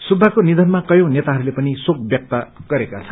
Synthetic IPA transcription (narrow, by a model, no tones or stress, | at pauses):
subʱːakonid̪ʱʌnmakʌjõw̃net̪aɦʌɾulepʌnisok̚bjʌk̚t̪ʌɡ̥ʌɾekat͡sʰʌ